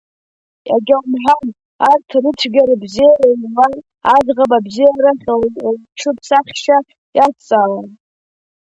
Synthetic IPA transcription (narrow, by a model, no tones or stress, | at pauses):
ja̰ɡʲamħʷan | artʰrɨt͡sʷʰɡʲaɾabzijaralan | azʁapabzijaraχʲalʈ͡ʂʰɨpʰsaχʲʃa | jasʰt͡sʼaːlan